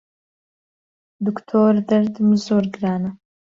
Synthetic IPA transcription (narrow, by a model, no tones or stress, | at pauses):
d̪ukt̪ʰoːrd̪ɐrd̪ɨmɨzoːrɡraːnɐ